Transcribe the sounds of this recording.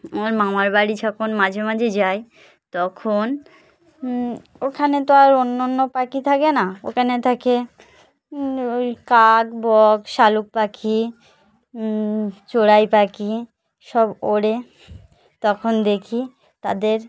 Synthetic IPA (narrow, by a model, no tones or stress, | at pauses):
oaɾmamaɾbaɽid͡ʑɔkʰonmãd͡ʑʱemad͡ʑʱed͡ʑae | t̪ɔkʰon | okʰanet̪oaɾonːanːopakit̪ʰakenao̰kʰanet̪ʰake | ojkakbɔɡʃaluk̚pakʰi | t͡ɕoɽajpaki | ʃɔboɽe | t̪ɔkʰond̪ekʰi | t̪a̰d̪eɾ